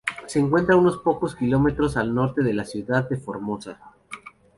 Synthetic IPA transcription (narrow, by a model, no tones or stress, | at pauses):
se̞ːŋkwe̞nt̪ɾauno̞spo̞ko̞skilo̞me̞t̪ɾo̞salno̞ɾt̪e̞ðe̞lasjuðaðːe̞fo̞ɾmo̞sa̰